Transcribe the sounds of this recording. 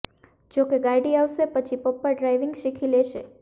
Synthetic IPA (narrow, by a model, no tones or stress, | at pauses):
d͡ʒokeɡajɖiaʋʃepət͡ʃʰipəpːəɖɾajʋɪŋɡʃikʰileʃe